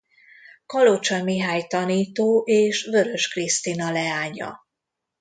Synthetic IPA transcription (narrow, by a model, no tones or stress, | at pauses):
kɒlot͡ʃɒmiɦaːjt̪ɒniːt̪oːʔeːʃvø̞ɾø̞ʃkrist̪inɒlɛaːɲɒ̰